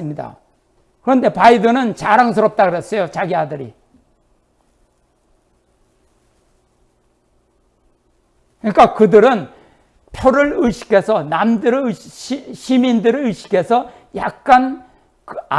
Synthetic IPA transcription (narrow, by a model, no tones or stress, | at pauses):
ɯmɲida̰ | kɯɾʌnde̞paidʌnɯnt͡ɕaɾaŋsʰɯɾʌp̚t͈aɡɯɾʌs͈ʌjot͡ɕaɡiadɯɾḭ | kɯɲik͈akɯdɯɾɯn | pʰjoɾɯɭɯɕʰi̥kʰe̞sʰʌnamdɯɾɯɕiɕʰimindɯɾɯɭɯɕʰi̥kʰe̞sʰʌ | ja̰k̚k͈an | ka